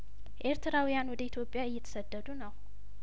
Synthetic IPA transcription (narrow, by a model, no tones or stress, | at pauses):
ʔe̞ɾt̪ʰɨɾawijanwɔd̪əit̪ʰjo̞pʼjaɨjːɛt̪ʰə̥səd̪ːəd̪unəw